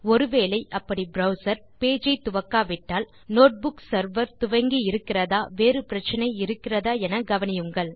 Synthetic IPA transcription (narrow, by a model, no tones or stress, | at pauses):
ɔɾɯʋeːlɐɪʔɐpːɐɽibɾɐʊsɐɾ | peːd͡ʒɐɪt̪ʊʋɐkːaːʋɪʈːaːl | noːʈ̚bʊksɐɾʋɐɾt̪ʊʋɐŋɡiɪɾɯkːɪrɐðaːʋeːrɯpɪɾɐt͡ʃːɐnɐɪɪɾɯkːɪrɐðaːɛnɐɡɐʋɐnɪjɯŋɡɐɭ